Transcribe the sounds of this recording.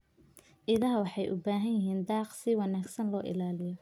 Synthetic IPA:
ʔɪlaːɦwɑħɑjʔʊbaːɦɐnjɪɦiːnd̪ɑːqsɪwɑnaːɡsɐnlɔːʔɪ̰laːlɪjɔ

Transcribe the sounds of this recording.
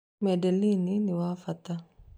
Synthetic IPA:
mɛdelininiwafɐt̪a

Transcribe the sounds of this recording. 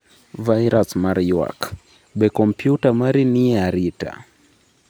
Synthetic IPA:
vajɾasmaɾiwa̰k | bɛkɔmpjutamaɾiniaɾita̰

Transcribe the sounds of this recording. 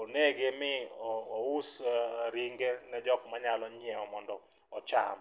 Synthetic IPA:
oneɡemɪɔːusɾiŋɡenɛd͡ʒɔkmaɲalɔɲiɛɔmɔndɔ | ɔt͡ʃa̰m

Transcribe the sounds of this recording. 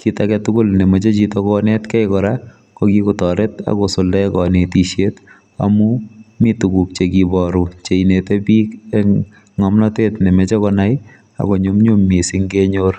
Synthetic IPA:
kitakɛtʊkʊlnemɔt͡ʃet͡ʃitɔkɔnetkɛjkɔɾa | kokikutɔɾeta̰kosoldakɔnetiʃjet | a̰mumitukuk̚t͡ʃekibɔɾut͡ʃeinetebiːke | ŋɔmnɔtetnemet͡ʃɔkɔnaj | a̰koɲomɲomːisiŋɡeɲor

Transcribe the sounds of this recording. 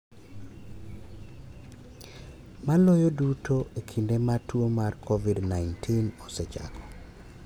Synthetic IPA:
malojodutʰoʔekʰindematwomarkʰɔvidnaɪntʰinɔset͡ʃa̰kɔ̥

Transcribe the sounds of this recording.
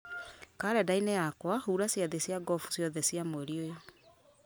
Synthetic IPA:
kaɾɛdainɛjakwahuːɾasjaðesjaɡɔfu̥sjɔðɛsjamoeɾiojɔ

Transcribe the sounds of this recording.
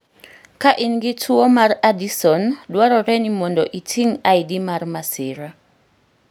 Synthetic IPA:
kaʔɪnɡɪtʰuɔmaɾadisɔndwaɾɔɾɛnimɔndɔʔitʰiŋaidimarmasɪɾa

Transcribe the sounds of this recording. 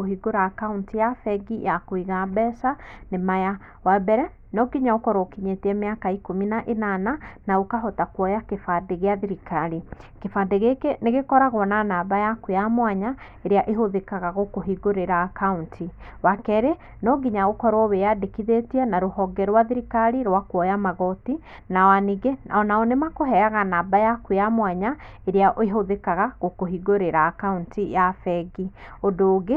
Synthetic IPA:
ohiɡoɾaːkauntijafɛɡijakoiɣabɛsanemaja | wabɛɾɛ | nɔɡiɲaokɔɾokiɲeteɛmeakaikominaʔenananaokaɦɔtakwɔjakefadeɣeaðiɾikaɾikefadeɣekeneɣekɔɾaɣɔnanaːbajakojamwaɲa | eɾeaʔeɦoðekaɣaɣokoɦiɡoɾeɾaːkauntʰi | wakɛɾe | nɔɡiɲaɣokɔɾɔwejadekiðetiɛnaɾohɔɡɛɾwaðiɾikaɾiɾwakwɔjamaɣɔti | nawaniɡenaɔnaɔnemakoɦɛaɣanaːbajakwuamwaɲa | eɾeaʔoeɦoðekaɣaɣokoɦiɡoɾeɾaːkauntijafɛɡiodoːɣe

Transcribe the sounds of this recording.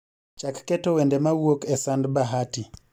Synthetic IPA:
t͡ʃakkɛtɔwɛndɛmawokɛsandbaɦati

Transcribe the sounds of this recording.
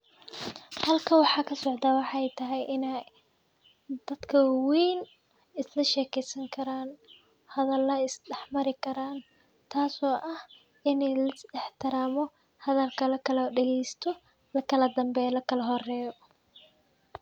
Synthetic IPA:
hɐlkʰɐwɑħɑːkʰɐsɔʕd̪aːwɑħɑɛjt̪ʰɐɦɛjʔɪna | d̪̥ɐd̪kʰɐwijn | ɪslɐʃɛːkʰɛjsɐŋkʰɐɾaːn | hɐðɐlːɐɪsɖɛħmɐɾɪkʰɐɾaːn | t̪ʰaːsɔːʔɐh | ɪnɛjlɐsɪħt̪ʰɪɾaːmɔ | hɐðɐlkʰɐlɐkʰɐlɐɖɛɣɛjst̪ʰɔ | lɐkʰɐlɐd̪ɐmbɛːlɐkʰɐlɐɦɔrɛːjɔ

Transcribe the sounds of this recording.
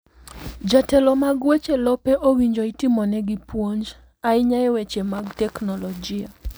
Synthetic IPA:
d͡ʒatɛlɔmaɡwet͡ʃelɔpɛʔowiɲd͡ʒoitimɔnɛɡipwoɲd͡ʒ | aɪɲajɛwet͡ʃemaɡtɛknɔlɔd͡ʒɪa

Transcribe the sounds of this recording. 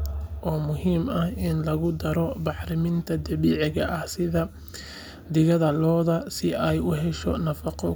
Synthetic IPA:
ʔɔːmʊɦiːmɐhɪnlɐɣʊd̪ɐɾɔbɑħɾɪmɪnt̪ʰɐd̪ɐβiːʕɪɣɐʔɐhsɪðɐ | d̪ɪɣɐðɐlɔːðɐsɪʔɛjʊɦɛʃɔ̰nɐfɑqɔ

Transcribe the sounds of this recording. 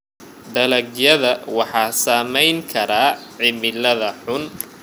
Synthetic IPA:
ɖ̪ɐlɐɡjɐðɐwɑħɑːsaːmɛjŋkʰɐɾaːʕɪmɪlɐðɐħʊn

